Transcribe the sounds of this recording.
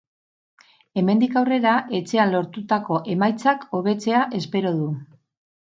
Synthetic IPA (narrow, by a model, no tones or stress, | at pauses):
e̞me̞nd̪ikawre̞ɾaʔe̞t͡se̞anlo̞ɾt̪ut̪ako̞ʔe̞majt͡sako̞β̞e̞t͡se̞aʔe̞spe̞ɾo̞ðu